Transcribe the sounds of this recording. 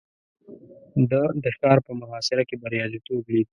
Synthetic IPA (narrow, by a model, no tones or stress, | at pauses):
d̪əd̪əkɑɾpəmʊɦɑsɪɾakebaɾjɑlit̪oblid̪